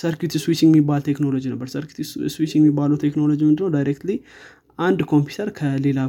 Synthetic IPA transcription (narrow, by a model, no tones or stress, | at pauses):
səɾkjut̪ʰiswit͡ʃːiŋɡmibːalt̪ʰe̞kno̞lo̞d͡ʒinəbːəɾsəɾkju̥t̪ʰiswit͡ʃːiŋɡɛmːibːaləwt̪ʰekno̞lo̞d͡ʒimɨnd̪ɨnːəwd̪ajɾekt̪li | ʔand̪kʰo̞mpjut̪ʰəɾkʰəle̞la